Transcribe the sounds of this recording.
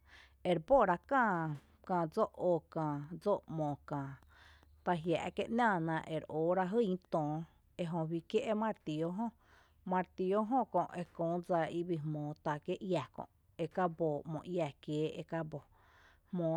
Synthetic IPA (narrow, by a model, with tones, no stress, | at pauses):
e˨ɾbo˦˨ɾa˧kãː˦˧˨ | kãː˧˨d͡zo˦ʔo˧˨kãː˧˨d͡zo˦ʔmõː˨kãː˨ | t̪a˧ɦja̰˨ʔke˦ʔnãː˦˧˨nã˧ʔḛ˨ɾoː˨˦ɾa˧ɦɨ˦˧i˧t̪ɔ̃ː˨ | e˧ɦõ˧wi˧kje˦ʔe˦mã˦˧˨ɾt̪i˨o˦ɦõ˦ | mã˧ɾt̪i˧o˦ɦõ˦kõ˧˨ʔʔe˧kõː˨˦d͡za˧i˦bi˧ɦmõː˨˦t̪a˧˨ke˦ʔja˨kõ̰˧˨ʔ | e˧ka˦boː˨mõ̰˨ʔja˧˨kjeː˨˦ḛ˧ka˦bo˨ | hmõː˨˦